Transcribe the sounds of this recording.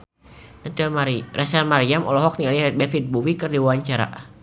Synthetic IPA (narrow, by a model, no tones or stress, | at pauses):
nt̪amarɛsɛrmaɾiamɔ̰lɔɦɔk̚nialibɛfit̪̚buwikərdiwawaɲt͡ʃaɾa̰